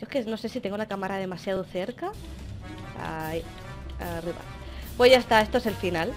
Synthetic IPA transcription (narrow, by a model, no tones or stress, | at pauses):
oekeno̞se̞sit̪e̞ŋɡolakamaɾað̞e̞masjaðoθe̞ɾka | a̰i | a̰riβa̰ | pwoʝaest̪ae̞st̪oe̞selfinal